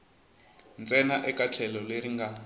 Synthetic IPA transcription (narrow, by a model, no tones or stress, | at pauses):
nt͡sʼɛnaʔɛkat͡ɬʰɛlɔleɾiŋɡa